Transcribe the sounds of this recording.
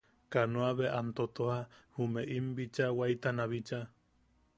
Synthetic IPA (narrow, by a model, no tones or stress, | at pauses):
kanoaβeʔant̪ot̪ohahumeʔimbit͡ʃawajt̪anaβit͡ʃa